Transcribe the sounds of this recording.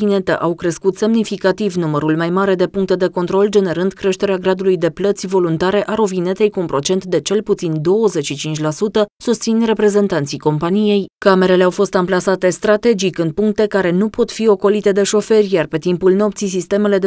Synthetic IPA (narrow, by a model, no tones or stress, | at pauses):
ine̞t̪ə̰ʔawkɾe̞skut̪se̞mnifikat̪ivnuməɾulmajmaɾe̞d̪e̞puŋkt̪ed̪e̞ko̞nt̪ɾo̞ld͡ʒe̞ne̞ɾɨnd̪kɾe̞ʃt̪e̞ɾeaɡɾad̪ulujd̪e̞plət̪sʲvo̞lunt̪aɾe̞ʔaɾovine̞t̪e̞jkuːnpɾo̞t͡ʃe̞nt̪d̪e̞t͡ʃe̞lput̪sind̪o̞wəze̞t͡ʃʃit͡ʃint͡ʃʲlasut̪əsust̪sinre̞pɾe̞ze̞nt̪ant̪sijko̞mpanije̞jkame̞ɾe̞leawfo̞st̪amplasat̪e̞st̪ɾat̪e̞d͡ʒikɨnd̪̚puŋk̚t̪e̞kaɾe̞nupo̞t̪fio̞ko̞lit̪e̞d̪e̞ʃo̞fe̞rʲjarpe̞t̪impulno̞p̚t̪sis̬ist̪e̞me̞le̞d̪